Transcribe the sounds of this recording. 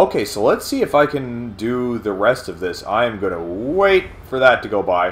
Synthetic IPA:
oʊkʰeɪsoʊlətsiɨfaɪkʰɨ̃ndɨðɨɹɛstʌvðɪsã̰ɪɨ̃mɡʌnəweɪtfə˞ðətʰɨɡoʊbaɪ

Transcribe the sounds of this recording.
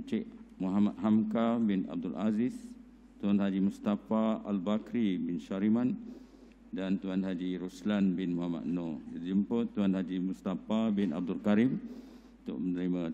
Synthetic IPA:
t͡ʃɛʔmuɦamat̪̚ɦamkabɪna̰b̚dulʔazis | t̪uanɦad͡ʒimust̪afaa̰lbakɾibɪnʃaɾiman | dant̪uanɦad͡ʒiɾuslanbɪnmuɦama̰t̪̚nɔdad͡ʒumpət̪uanhad͡ʒimust̪afabɪna̰b̚dʊlkaɾim | nt̪ʊ̰ʔmənəɾima

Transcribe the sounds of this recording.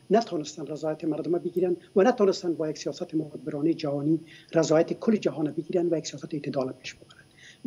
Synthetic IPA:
nat̪ʰɔnɪst̪anrazɔjat̪ɪmaɾd̪ʊmabɪɡiɾand̪wanat̪ɔnɪst̪and̪bɔjaksijɒsat̪ɪmʊhad̪̚bɪɾɔned͡ʒaɦɔniɾazɔːjat̪ɪkʰʊlːɪd͡ʒaɦɔnabɪɡiɾand̪wajaksijɔsat̪et̪ɪd̪ɒlapeʃbɪbaɾand̪

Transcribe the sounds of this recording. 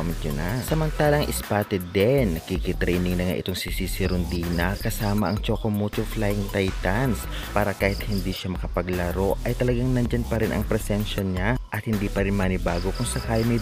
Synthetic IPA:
mɪt̪̚d͡ʒʊnasɐmɐnt̪aːlɐŋʔɪspaːt̪ɪd̪ɛnːɐkikɪt̪ɾɛjnɪŋnɐŋa̰ʔɪ̰t̪o̞ŋsisisɪɾʊnd̪iːnɐkɐsaːmɐʔɐŋt͡ʃoːkomut̪ʊflajɪŋt̪ajt̪ɐns | paːɾɐkaːhɪt̪̚hɪnd̪iːʃamɐkɐpɐɡlɐɾo̞ʔʔɐjt̪ɐlɐɡaŋnɐnd͡ʒɐnpɐɾɪnʔɐ̰ŋpɾɛsɛnʃɐɲaʔɐt̪̚hɪnd̪iːpɐɾɪnmɐnɪbaːɡokʊŋsɐkaːlɪŋmɐj

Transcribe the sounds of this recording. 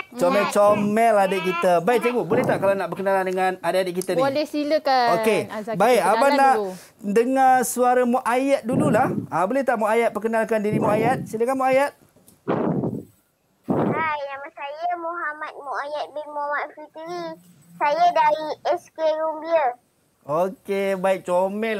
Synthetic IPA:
t͡ʃɔmɛt͡ʃomɛladəʔkit̪əbaik̚t̪eɡubolɛht̪aʔkalanaʔbəkənalandəŋanadəadəʔkit̪ənĩdesiləkaokebaɪkabanaʔ | dəŋasuaɾamoʔajat̪̚dululahabolɛht̪aʔmoʔajat̪̚pəkənalkandiɾimoajat̪̚siləkanmoajat̪̚ | ajamasajəmoɦamat̪̚moajat̪̚bimamat̚fit̪əɾi | sajadaɾiɛskeɾumbiə | okebaɪk̚t͡ʃomɛ

